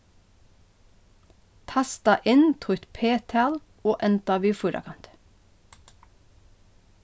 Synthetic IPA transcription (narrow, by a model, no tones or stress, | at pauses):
t̪ʰɑst̪ɑʔɪnt̪ʰʊt̪pʰeːt̪ʰɑːl | oːʔɛnt̪ɑʋiːfʊɾɑ̰kʰɑnt̪